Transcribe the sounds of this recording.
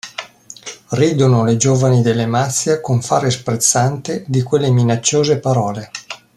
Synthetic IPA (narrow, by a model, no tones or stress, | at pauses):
riːd̪onoled͡ʒoːvanid̪elːemat̪sːjakoɱfaːɾespɾet̪sːant̪ed̪ikwelːeminat͡ʃːoːzepaɾɔːle